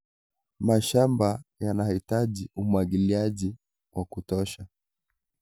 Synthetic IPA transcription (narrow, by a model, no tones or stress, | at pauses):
maʃambajanahitaʄiumwaɡiliaʄi | wʔakutɔʃa